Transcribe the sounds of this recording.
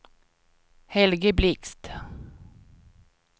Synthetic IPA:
hɛlɡəblɪkst̪

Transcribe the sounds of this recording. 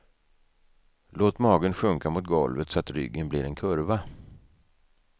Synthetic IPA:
loːt̪mɑːɡənɧɵŋkamʊt̪̚ɡɔlvət̪sɔat̪ɾʏ̰ɡːənbliɾɛnkʰɵɾva

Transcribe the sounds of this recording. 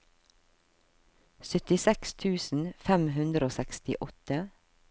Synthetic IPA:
sʏt̪ɪsɛkst̪ʰʉːsn̩fɛmhʉnd̪ɾəoːsɛkst̪ɪ̰ʔɔt̪ə

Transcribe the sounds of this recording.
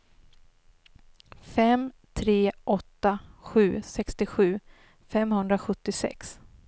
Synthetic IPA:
fɛmt̪ʰɾeːʔɔt̪ːaɧʉ̟ːsɛkst̪ɪɧʉ̟ː | fɛmhɵnd̪ɾaɧɵt̪ːɪsɛ̰ks

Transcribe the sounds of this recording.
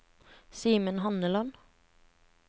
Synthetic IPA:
siːmənhɑnəlɑn

